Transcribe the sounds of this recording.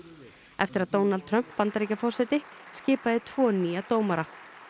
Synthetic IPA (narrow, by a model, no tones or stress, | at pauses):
ɛft̪ɪɾaðt̪oːwnalt̪̚ʰɾœm̥pːant̪aɾejcafɔr̥sɛt̪ɪscɪːpaðɪt̪ʰvɔːnːiːjat̪oːwmaɾa